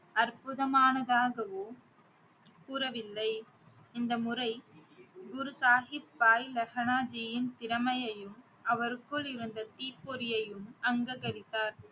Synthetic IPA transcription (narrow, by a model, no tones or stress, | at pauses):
ɐrpɯðɐmaːnɐðaːɣɐʋoː | kuːrɐʋɪlːɐɪ | ɪnd̪ɐmʊrɐɪɡʊɾɯsaːɦɪpːaːjlɐɣɐnaːd͡ʒijɪnt̪ɪɾɐmɐjɐjɯm | ɐʋɐɾkɯɭɪɾɯnd̪ɐt̪iːpːoɾɪjɐjɯmɐŋɡɐɣɐɾɪt̪ːaːɾ